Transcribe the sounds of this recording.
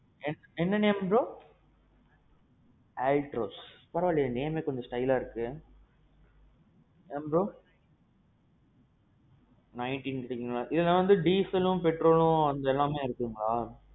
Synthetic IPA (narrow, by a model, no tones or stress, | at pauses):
ɛnːɛnːɐnembɾoː | aːlʈɾoːspɐɾɐʋaːlɪjɐneːmeːkɔɲd͡ʒɐsʈɐɪlaːɪɾɯkːɯ | ɛmbɾoː | nɐɪɳʈinkɯʈeːkːɯŋɡɐɭãːʔɪðɛlːãːʋɐnd̪ɯɖiːsɐlʊ̃pɛʈɾoːlʊ̃ɐnd̪ɐɛlːãːmeːɪɾɯkːɯɯŋɡɐɭaː